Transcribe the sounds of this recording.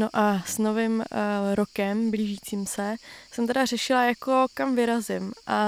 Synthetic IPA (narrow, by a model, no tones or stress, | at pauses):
noʔasnovɪmɾokɛmbliːʒiːt͡siːmsɛsɛmt̪ɛdɾar̝ɛʃɪlajakokamvɪɾazɪmʔa